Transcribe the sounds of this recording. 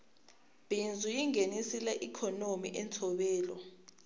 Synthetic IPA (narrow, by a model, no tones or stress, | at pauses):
b̥ʱind͡zʱujiŋenisilɛʔikʰɔnomḭʔɛnt͡sʰɔɓɛːlɔ